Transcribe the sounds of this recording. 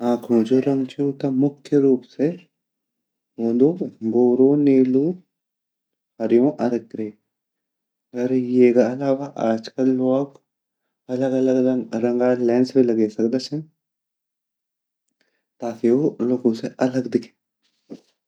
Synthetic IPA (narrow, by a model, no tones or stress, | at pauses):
aːkʰõːd͡ʒoɾɐ̃ŋɡt͡ʃuːt̪ɐmʊkʰjəɾuːpse | oːd̪oːɡoːɾõːneːluː | hɐɾjõʔɐləɡɾe | ɡəɾjeːkaɐlaːʋaʔaːd͡ʒkəlːoːk | ɐləɡɐləɡɾɐ̃ŋɡaːlɛ̃ːnsbelɐɡesɐkd̪at͡ʃʰẽ | t̪aːkeoloːɡõseʔɐləɡd̪ɪkʰeː